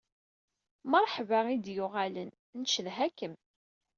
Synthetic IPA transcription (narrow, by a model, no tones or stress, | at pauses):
məɾˤħvaid̪jʊʁalən | nʃəlɦækəm